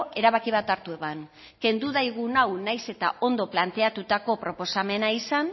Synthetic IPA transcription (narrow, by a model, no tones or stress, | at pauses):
e̞ɾaβakiβ̞at̪aɾt̪ue̞βan | ke̞nd̪uðajɣ̞unawnajse̞t̪a̰ʔo̞nd̪o̞plant̪e̞at̪ut̪ako̞pɾo̞po̞same̞naisan